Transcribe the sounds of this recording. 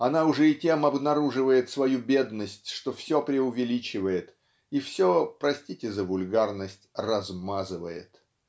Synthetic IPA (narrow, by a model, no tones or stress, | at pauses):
ɐnaʊʐɛɪtʲe̞mɐbnɐɾuʐɨvəjɪt̪svɐjubʲe̞d̪nəsʲtʲʂt̪o̞fsʲopɾʲɪʊvʲɪlʲit͡ɕɪvəjɪt̪ | ifsʲopɾɐsʲtʲitʲɪzəvʊlʲɡarnəsʲtʲrɐzmazɨvəjɪ̰t̪